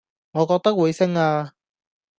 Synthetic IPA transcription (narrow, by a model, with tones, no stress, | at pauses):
ŋɔː˨˧kɔː˧k̚t̪ɐ˥k̚wu˨˧jsɪ˥ŋaː˧